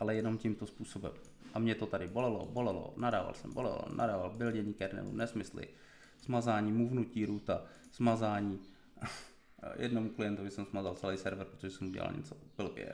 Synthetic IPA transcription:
ʔalɛjɛno̞mcimt̪ospuːso̞bɛ̰m | ʔamɲɛt̪ot̪adɪbo̞lɛlo̰bo̞lɛlo̰nadaːva̰lsɛmbo̰lɛ̰lo̰nʔa̰daːvalbɪlɟɛɲikɛɾnɛ̰mṵmnɛsmɪslɪ̰ | z̥mazaːɲiːmuvnuciːɾuːt̪a | z̥mazaːɲiː | jʔɛ̰dnomuklɪjɛnt̪ovɪsɛmzmazalt͡sɛlɛjsɛɾvɾpɾot̪oʒɛsɛmuɟɛ̰la̰lɲɛ̰t͡so̥bɪlbɛ̰

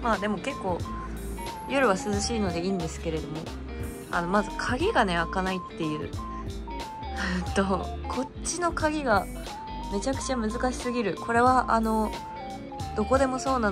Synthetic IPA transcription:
maːd̪e̞mo̞ke̞kːo̞ː | jo̞ɾɯ̟β̞asɨzɨɕiːno̞d̪e̞iːnd̪e̞sɨ̥ke̞ɾe̞d̪o̞mo̞ | a̰no̞mazɨkʰaɡʲiɡane̞akanait̪ːe̞jɯ̟ː | ɯnt̪o̞ | kʰo̞ | t͡ɕːino̞kaɡʲiɡa | me̞t͡ɕakɯ̟̥t͡ɕamɯ̟zɨkaɕi̥sɨɡʲiɾɯ̟kʰo̞ɾe̞β̞aʔano̞ | d̪̥o̞ko̞d̪e̞mo̞so̞ːnã

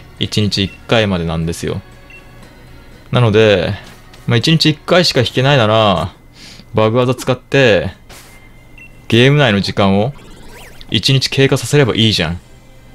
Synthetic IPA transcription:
it͡ɕiɲ̟it͡ɕiːkːaimad̪e̞nãnd̪e̞sɨjo̞̰ | nano̞d̪e̞ | mait͡ɕiɲ̟it͡ɕiːkːaiɕi̥kaçi̥ke̞nainaɾa | baɡɯ̟ad̪ot͡sɨ̥kat̪ːe̞ | ɡ̥e̞ːmɯ̟naino̞ʑikãɰ̃o̞ | ḭt͡ɕiɲ̟it͡ɕi̥kʰe̞ːkasase̞ɾe̞ba̰ʔiːʑã̰ŋ̃

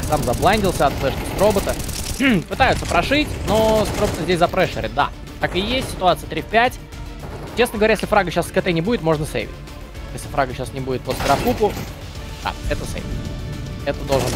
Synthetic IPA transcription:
samzɐblˠanʲdʲɪlˠsʲəɐt̪slɛʂt̪ʲst̪ɾo̞bət̪əpɨt̪ajʊt̪səpɾɐʂɨtʲnost̪ɾobət̪əzʲdʲesʲzɐpɾɛʂə̰ɾʲɪ̰t̪̚d̪a̰ | t̪akɨjesʲtʲsʲɪ̥t̪ʊat̪sɨjət̪ɾʲifʲpʲætʲ | t͡ɕesnəɡəvɐɾʲæjesʲlʲɪfɾaɡəɕasskɐt̪enʲɪbudʲɪt̪mo̞ʐnəsḛjvʲɪ̰t̪̚ʲ | jesʲlʲɪfɾaɡəɕasnʲɪbudʲɪt̪̚pəst̪əɾɐpupʊ | d̪̥a̰ɛt̪əsḛjvʲɪtɛt̪əd̪olˠʐɨn

